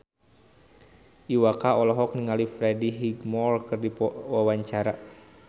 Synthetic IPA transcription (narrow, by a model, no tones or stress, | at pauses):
ʔiwakaɔlɔɦɔk̚niŋalifɾɛdiɦiɡmɔlkɨrdipwawaɲt͡ʃaɾa